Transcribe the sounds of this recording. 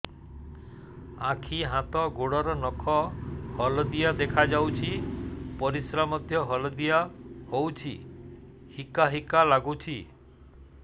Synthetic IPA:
akʰiɦãt̪ɔɡoɽɔɾɔnɔkʰɔhɔld̪ijad̪ekʰad͡ʒawt͡ʃʰipɔɾisɾamɔd̪ʱjɔɦɔlɔd̪ijahowt͡ʃʰḭ | hikaɦikalaɡut͡ʃʰi

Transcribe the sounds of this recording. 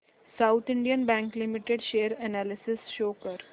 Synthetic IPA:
saʊt̪ʰɪ̃ɳɖijənbæ̃ŋklɪmɪʈeɖʃeːɾɛnæːlɪsɪsʃoːkəɾ

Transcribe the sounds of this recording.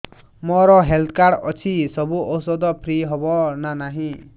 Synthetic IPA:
mɔɾɔɦelt̪ʰkaɽɔ̰t͡sʰisɔbuʔɔwsɔd̪ɔpʰɾiɦɔbɔnanaɦĩ

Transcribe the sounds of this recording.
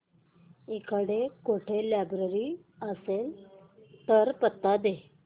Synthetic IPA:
ikəɽekoʈʰelabɾəɾi | əsel | t̪əɾpət̪ːad̪e

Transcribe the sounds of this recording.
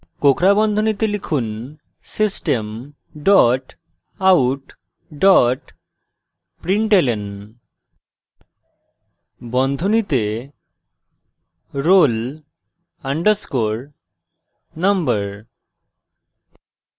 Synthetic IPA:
kokɾabɔnd̪ʱonit̪elikʰun | sisʈem | ɖɔʈ | awʈ | ɖɔʈ | pɾiɳʈelen | bɔnd̪ʱonit̪e | ɾol | aɳɖəɾskoɾ | nʌmbəɾ

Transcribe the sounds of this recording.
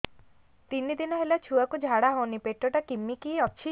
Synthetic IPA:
t̪inid̪inɔɦelat͡ʃʰuakud͡ʒʱaɽaɦɔwnipeʈːɔʈakimːikiɔːt͡ʃʰi

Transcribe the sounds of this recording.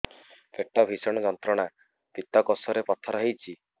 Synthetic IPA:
feʈɔbʱisɔɽ̃ɔd͡ʒɔnt̪ɾɔɽ̃a | t̪it̪ɔkosɔɾepɔt̪ʰɔɾɔɦejt͡ʃʰi

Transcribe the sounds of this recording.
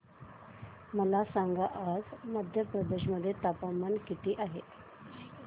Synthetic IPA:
məlasaŋɡaʔad͡zməd̪ʱjəpɾəd̪eɕməd̪ʱːjet̪apamankit̪ʰiːʔaɦḛt̪

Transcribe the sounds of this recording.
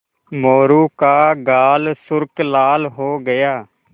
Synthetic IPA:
moːɾuːkaːɡaːlsʊɾklaːlɦoːɡəjaː

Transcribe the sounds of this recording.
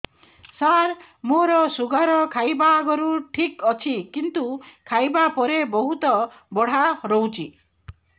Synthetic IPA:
saɾ | moɾɔsuɡaɾɔkʰajbaɡɔɾuʈʰikɔt͡ʃʰikint̪ukʰajbapɔɾebɔɦut̪ɔ | bɔɽ̤aɾowt͡ʃʰi

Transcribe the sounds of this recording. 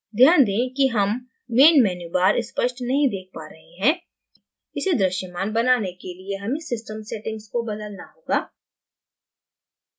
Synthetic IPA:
d̪ʱjaːnd̪ẽːkiɦɐmː | eːnmɛːnjubaːɾɪspəʃʈnɐɦĩd̪eːk̚ʰpaːɾɐɦeɦɛ̃ː | ɪsed̪ɾɐʃəmaːnbɐnaːnekelieɦɐmẽsɪsʈəmseːʈɪ̃ŋɡskobɐd̪əlnaɦoːɡaː

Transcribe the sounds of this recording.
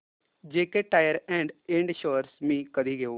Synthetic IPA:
d͡ʒeːkeʈaːjəɾɛ̃ːɳɖẽːɳɖʃoːɾsmĩːkəd̪iːɡeoː

